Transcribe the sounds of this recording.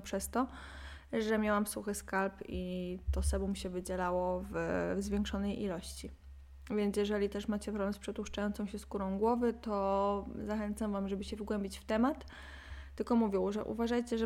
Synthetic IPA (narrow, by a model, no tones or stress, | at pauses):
pʂɛst̪ɔ | ʐɛmʲjawamsuxɘskalpit̪ɔsɛbumɕɛvɘd͡ʑɛlawɔvzvʲjɛŋkʂɔnɛjʔilɔɕt͡ɕi | vʲjɛnt̪sjɛʐɛlʲit̪ɛʂmat͡ɕɛpɾɔbmspʂɛt̪uʂt͡ʂajɔnt̪sɔ̃w̃ɕɛskuɾɔ̃w̃ɡwɔvɘt̪ɔzaxɛnt̪samvamʐɛbɘɕɛvɡwɛmbʲit͡ɕft̪ɛmat̪ː | ɘlkɔmuvʲjɔwʐɛ̰ʔṵvaʐajt͡ɕɛʐ